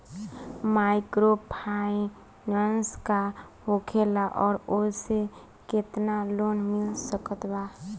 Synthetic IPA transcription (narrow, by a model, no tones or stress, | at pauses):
majkɾopʰaĩ | nənska | hokʰelaʔɔːɾose | ket̪nalonmɪlsəkət̪ba